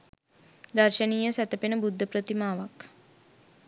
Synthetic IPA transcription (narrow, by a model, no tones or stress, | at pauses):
d̪arʃəniːjəsæt̪əpenəbud̪ʱːəpɾət̪imaːʋak